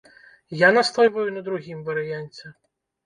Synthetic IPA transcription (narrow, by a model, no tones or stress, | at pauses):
janast̪ɔjvɐjunɐd̪ɾuɣʲimvɐɾɨjanʲt͡sʲɛ